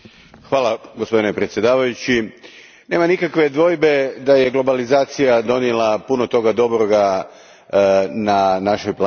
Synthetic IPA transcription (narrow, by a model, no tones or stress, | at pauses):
xʋaːlˠaɡo̞spo̞d̪ine̞pɾet̪sje̞d̪aːʋajut͡ɕi | ne̞ːmanikakʋe̞d̪ʋo̞ːjbe̞d̪aje̞ɡlˠo̞balizaːt̪sijad̪o̞njelˠapunot̪o̞ɡad̪o̞bɾoɡa | nanaʃojplaː